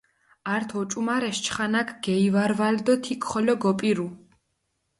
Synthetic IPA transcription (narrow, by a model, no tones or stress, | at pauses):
aɾt̪ʰɔt͡ʃʼumaɾɛʃt͡ʃʰχanakʰɡ̥ɛivaɾvald̪ɔt̪ʰikʰʼχɔlɔɡɔpʼiɾu